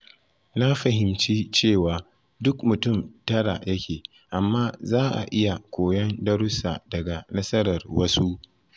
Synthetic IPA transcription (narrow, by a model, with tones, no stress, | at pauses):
na˦ɸɐ˨ɦɪ˨mt͡ʃiː˦t͡ʃeː˦˨waː˨ | dʊ˦kmʊ˨tʊ˦˨mtɐ˦ɽa˨jɐ˦kʲeː˨ | ʔa˨mːaː˦zaː˦ʔa̰˨ʔɪ˦ja˨kʷoː˨jɐ˦ndɐ˦ɽʊ˦sa̰ː˨dɐ˨ɡa˨nɐ˦sɐ˦ɾɐ˨rwɐ˦su˦ʔ